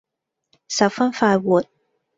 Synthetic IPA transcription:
sa˨˩fa˥nfa˥˧wu˨t̪̚

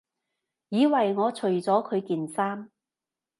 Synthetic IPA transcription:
jiː˨˧wɐ˨jŋɔː˨˧t͡ʃʰɵ˨˩ɥt͡sɔː˨˥kʰɵ˨˧ɥkiː˨nsaː˥m

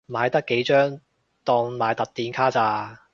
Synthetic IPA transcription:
maː˨˧jt̪ɐ˥kːe˨˥jt͡ʃœː˥ŋ | t̪ɔː˧ŋmaː˨˧jt̪ɐ˨k̚t̪iː˧nkʰaː˥t͡saː˧

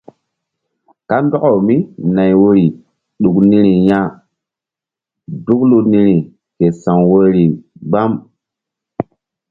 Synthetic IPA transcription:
ka˦ndɔ˦ka˨wmi˦na˨jwo˦ɾi˨ | ɗu˨kni˦ɾi˨ja˦ | du˦klu˦ni˦ɾi˨ | ke˨sã˨ŋwo˦ɾi˨ɡ͡ba˦m

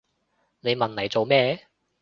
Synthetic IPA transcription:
ne˨˧jmɐ˨nlɐ˨˩jt͡so˨wmɛː˧

